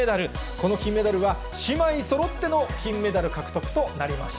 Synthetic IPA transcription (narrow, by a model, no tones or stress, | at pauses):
ed̪aɾɯ̟ko̞no̞kʲĩmːe̞d̪aɾɯ̟βa | ɕimaiso̞ɾo̞t̪ːe̞no̞kʲĩmːe̞d̪aɾɯ̟kakɯ̟̥t̪okɯ̟̥t̪o̞naɾʲima̰ɕi̥t̪